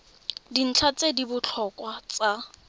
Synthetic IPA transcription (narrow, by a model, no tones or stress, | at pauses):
din̩t͡ɬʰat͡sʼedibʊt͡ɬʰɔkʼwat͡sʼa